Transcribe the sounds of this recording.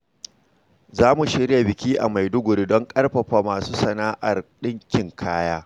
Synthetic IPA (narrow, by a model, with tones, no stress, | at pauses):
zaː˦mu˨ʃɪ˦ɽja˨bɪ˨kʲiː˦ʔa̰˨ma˨jdʊ˦ɡʷʊ˨ɾi˦dɔ˦ŋkʼɐ˦rɸɐ˨ɸaː˨maː˨suː˦sɐ˨naː˦ʔa˨rɗɪ˦ŋkʲɪ˨ŋkʰaː˦jaː˦